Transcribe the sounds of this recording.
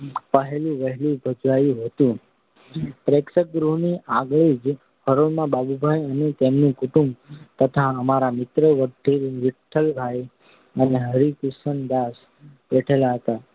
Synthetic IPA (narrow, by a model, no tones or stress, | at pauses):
pəɦelũʋəɦɛlũbʱəd͡ʒʋajũɦət̪ũ | pɾeksək̚ɡɾuniaɡɭid͡ʒ | həɾoɭmãbabubʱajənet̪emnũkʊʈũmt̪ət̪ʰaəmaɾamɪt̪ɾəʋəɖiɾʋɪʈʰːəlbʱaj | əneɦəɾikusənd̪as | beʈʰelaɦət̪a